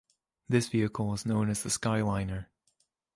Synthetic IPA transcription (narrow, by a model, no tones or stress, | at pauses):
ðɪsv̥iɨkʰəl̩ˠɪznõʊ̃nɨz̥ðəskaɪlˠãɪ̃nə˞